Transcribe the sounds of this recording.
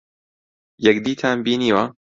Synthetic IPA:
jɛkd̪iːt̪ʰaːnbiːniːwɐ

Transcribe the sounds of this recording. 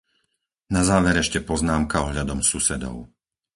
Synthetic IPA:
nazaːʋɛɾɛʃcɛpɔznaːmkaɔɦʎad̪ɔmsusɛd̪ɔ̰ʊ

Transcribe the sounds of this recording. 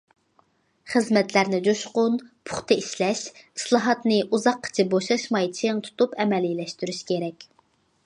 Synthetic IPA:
χəzmɛt̪ʰlæɾnɪd͡ʒoʃqʊnpʰʊχt̪ɨiʃlɛʃislˠɑɦɑt̪nɪʔuzɑqʰːə̥t͡ʃʰɪboʃɑʃmɑjt͡ʃʰeŋt̪ʰu̥t̪upɛmɛlilɛʃt̪yɾyʃkʲʰeɾɛkʲ

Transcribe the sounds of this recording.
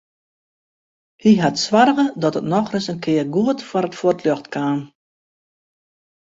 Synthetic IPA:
hiɦatsʋarɣədɔtətnɔxrɪsənkʰɪərɡuətfɔɾətfortlɔxtkʰaːn

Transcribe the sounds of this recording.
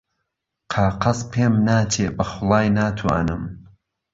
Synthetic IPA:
qʰaːqɐspʰeːmnaːt͡ʃʰeːbɐxʊlˠɑːjnaːt̪ʰua̰nɨm

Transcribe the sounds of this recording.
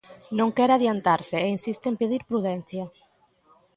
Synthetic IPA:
nõŋkɛɾaðjant̪aɾsɪeinsist̪eempeðiɾpɾuðɛn̟θjɐ

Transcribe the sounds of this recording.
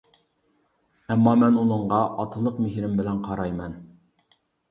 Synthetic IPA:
ɛmːɑmɛnulˠəɴʁɑʔɑt̪ʰɨlˠəqmɪɦɾɪmbɪlɛnqʰɑɾɑjmɛn

